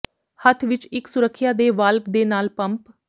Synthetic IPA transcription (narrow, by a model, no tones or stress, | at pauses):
hət̪ʰʋɪt͡ʃɪksʊɾəkʰːjaːd̪eːʋaːləkd̪eːnaːlpəmp